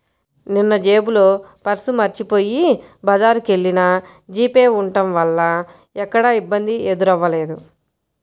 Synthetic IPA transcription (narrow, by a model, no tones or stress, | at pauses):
ninːɐd͡ʒe̞ːbulo̞ː | pɐɾsumɐɾt͡ʃipo̞ːjibɐd͡ʒaːɾuke̞ɭːinɐ | d͡ʒiːpeːuɳʈɐmʋɐlːɐ | ɛkːɐɽɐibːɐnd̪ied̪uɾɐʋːɐle̞ːd̪u